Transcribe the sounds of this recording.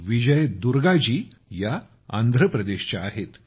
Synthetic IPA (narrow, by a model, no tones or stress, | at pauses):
ʋid͡ʑəjd̪uɾɡad͡ʑiːja | a̰nd̪ʱɾəpɾəd̪eɕt͡ɕaːɦet̪